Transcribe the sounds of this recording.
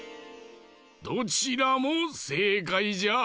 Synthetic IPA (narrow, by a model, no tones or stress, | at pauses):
d̪̥o̞t͡ɕiɾamose̞ːkaid͡ʑa